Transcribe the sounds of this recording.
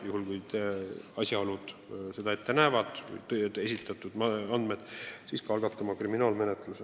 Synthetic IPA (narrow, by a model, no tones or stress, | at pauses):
juɦulkujt̪eɑsjɑolud̪̥se̞d̪̥ɑe̞t̪ːenævɑd̪̥̰jt̪e̞sit̪ːˑɑt̪ːˑud̪̥ɑɑnd̪med̪̥siːskɑɑlɡɑt̪ːˑɑmɑkriminɑːlme̞net̪ˑluse